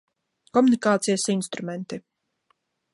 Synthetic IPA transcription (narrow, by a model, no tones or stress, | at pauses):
kɔmunikaːt̪sijəsinst̪ɾumɛnt̪i